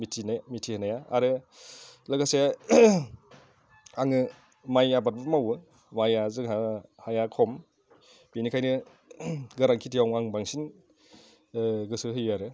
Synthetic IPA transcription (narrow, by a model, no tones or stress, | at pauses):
mitʰinamitʰihɯnajaa̰ɾɯ | laɡaseja | aŋɯ | majabat̚bɯmawɯ | majazɯahajakʰɔm | binikʰajnɯ | ɡɐɾaŋkʰitʰijawŋaŋbaŋsin | ɡɯsɯɦɯjaɾɯ